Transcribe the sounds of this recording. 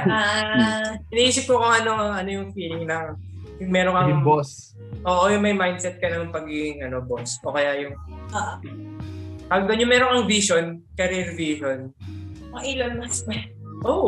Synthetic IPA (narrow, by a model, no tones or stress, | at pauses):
aʔ | ɪnɐʔiːsɪp̚kʊkoŋɐno̞ʔɐnojʊŋfiːlɪŋlɐŋ | jʊŋmɛːɾoŋkɐŋbos | ʔo̞ːʔojʊŋmɐjmajnd̪̚sɛt̪̚kɐnɐŋpɐɡiːɡɪŋʔɐno̞bosʔokɐjajʊŋʔoʔ | paɡd̪onjʊŋmɛːɾoŋkɐŋviʃonkɐɾɛlviʃonmɐʔilonmɐspɐ | ʔoː